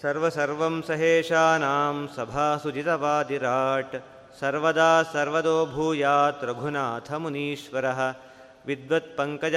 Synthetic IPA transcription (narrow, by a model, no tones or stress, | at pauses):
sɐɾʋɐsɐɾʋɐmsɐɦeːʃaːnaːmsɐbʱaːsud͡ʒit̪ɐʋaːd̪iɾaːʈ | sɐɾʋɐd̪aːsɐɾʋɐd̪oːbʱuːjaːt̪ɾɐɡʱunaːt̪ʰɐmuniːʃʋɐɾɐɦɐ̆ | ʋid̪ʋɐt̪̚pɐŋkɐd͡ʒ